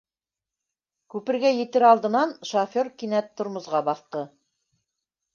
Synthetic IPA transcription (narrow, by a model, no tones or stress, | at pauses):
kʉpɘ̆ɾɡæjɘ̆t̪ɘɾɑlˠd̪ɤ̆nɑnʃofʲorkinæt̪ʰːŏɾmŏzʁɑbɑθt̪ɤ